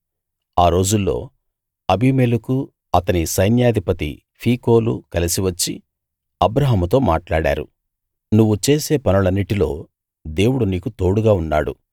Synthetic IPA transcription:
aːɾo̞ːd͡ʒulːo̞̰ː | ɐbiːmeːluku | ɐt̪ɐnisɐjnjaːd̪ʱipɐt̪ḭ | pʰiːko̞ːlṵkɐlisiʋɐt͡ʃːḭ | ɐbɾɐɦɐmut̪o̞ːmaːʈlaːɽa̰ːɾṵ | nuʋːut͡ʃe̞ːseːpɐnulɐnːiʈilo̞ː | d̪e̞ːwuɽuniːkut̪o̞ːɽuɡaːunːa̰ːɽṵ

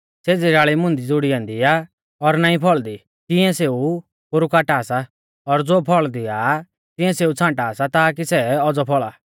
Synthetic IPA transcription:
seːd͡ziɾaːɭimʊ̃nd̪id͡zʊɽiãːnd̪iaː | ɔɾnaːĩpʰɔɭd̪i | t̪ɪɛ̃seːu | pʊɾukaːʈaːsa | ɔɾd͡zoːpʰɔɭd̪iaː | t̪ɪ̃ɛ̃seːut͡sʰãːʈaːsat̪aːk̬isɛɔd͡zɔpʰɔɭaː

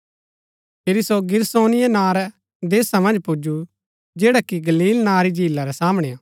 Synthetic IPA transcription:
pʰeɾisoɡɪɾsoːnɪjɛnaːɾɛ | d̪eːsamɐ̃nd͡ʒpud͡ʒu | d͡ʒeːɽakiɡɐliːlnaːɾid͡ʒʱiːlːaɾɛsaːmɽ̃ɛaː

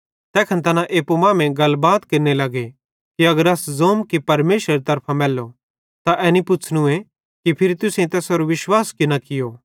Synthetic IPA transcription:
t̪ɛːkʰɛnt̪ɐnãʔeːpomãːmẽɡɐlbaːt̪kɪɾnelɐɡe | kiɐɡəɾaszoːmkipɐɾmeːʃɾɐɾit̪ɐɾpʰãmɛːlːo | t̪aʔɛːnipʊt͡ʃʰɽũẽ | kipʰɪɾit̪ʊsẽĩt̪ɛːsoɾoʋɪʃwaːskɪnakɪjoː

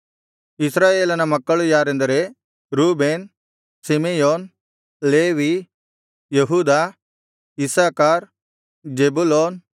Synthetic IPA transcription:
ɪsɾaːeːlɐnɐmɐkːɐɭujaːɾẽɛ̃nd̪ɐɾe | ɾuːbeːn | simejoːn | leːʋi | jɐɦuːd̪a | ɪsaːkaːɾ | d͡ʒeːbuloːn

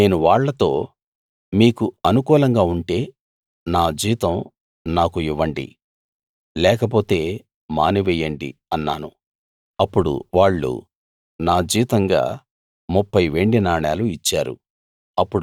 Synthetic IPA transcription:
ne̞ːnuʋaːɭːɐt̪o̞ː | miːkuɐnukuːlɐŋɡaːuɳʈe̞ː | naːd͡ʒiːt̪ɐ̃m | naːkuiʋːɐɳɖḭ | lɛːkɐp̬o̞ːt̪e̞ː | ma̰ːniʋɛjɐɳɖḭɐnːa̰ːnu | ɐpːuɽṵʋaːɭːṵ | naːd͡ʒiːt̪ɐŋɡa̰ː | mupːɐjʋe̞ɳɖinaːɳaːluit͡ʃːaːɾṵ | ɐpːuɽ

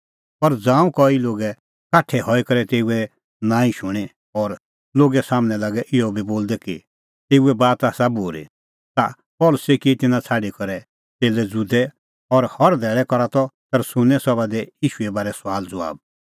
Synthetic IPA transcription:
pɐɾd͡zãːũkɔiloːɡɛ | kaːʈʰɛhɔikɐɾɛt̪eːuɛ | nãːĩʃʊɽ̃ɛ | ɔːɾ | loːɡɛsaːmñɛlaɡɛʔɪɔbʱiboːld̪ɛki | t̪eːuɛbaːt̪aːsaboːɾḭ | t̪a̰ | pɔlʊsekit̪ɪnãt͡sʰaːɖikɔɾɛ | t̪eːlɛd͡zud̪ɛ | ɔɾhɔɾd̪ʱɛːɭɛkɔɾat̪ɔt̪ɐɾsʊ̃nɛ̃sɔbad̪ɛjiːʃuɛbaːɾɛsaːld͡zʊa̰ːb̚

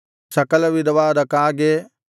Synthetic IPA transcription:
sɐkɐlɐʋid̪ɐʋaːd̪ɐkaːɡe

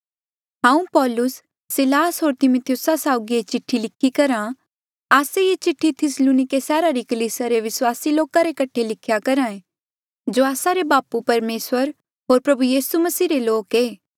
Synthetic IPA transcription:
ɦãːũpɔːlʊsː | ɪlaːsɦoːɾt̪ɪmʊt̪ʰijʊsasaːʊɡiet͡ʃɪʈʰːilɪkʰːikɐɾã | aːseet͡ʃɪʈʰːit̪ʰɪsluːnɪkesɛːɾaɾikɐliːsaɾeʋɪswaːsiloːkaɾekɐʈʰelɪkʰjakɐɾãːẽ | d͡ʒoːaːsaɾebaːpupɐɾmeːswəɾ | ɦoːɾpɾɐbujiːsumɐsiːɾeloːkeː

